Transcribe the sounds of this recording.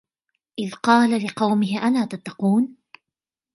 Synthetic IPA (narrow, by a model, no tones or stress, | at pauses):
ʔɪðqɑːlalɪqɑwmɪɦɪʔanaːt̪at̪ːɑquːn